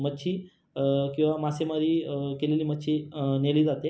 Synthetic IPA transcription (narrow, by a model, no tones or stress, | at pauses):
mətːɕʰiː | kĩw̃ʋamasemaɾiːkeleliːmətːɕʰiːneliːd͡zat̪e